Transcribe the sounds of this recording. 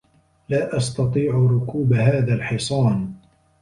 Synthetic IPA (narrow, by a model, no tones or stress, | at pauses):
laːʔɑst̪ɑt̪ˤiːʕɾʊkuːbaɦaːðaːlħɪsˤɑːn